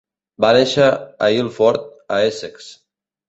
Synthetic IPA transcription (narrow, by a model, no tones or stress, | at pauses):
baneʃə̰ːilˠfɔɾt̪̚əesɛks